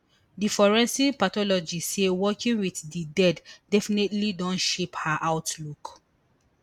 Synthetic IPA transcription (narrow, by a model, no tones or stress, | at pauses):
difɔɹɛ̃nsipatɔlɔd͡ʒisewɔkĩnwiθdidɛddɛfinetlidɔ̃nʃephaʔawtluk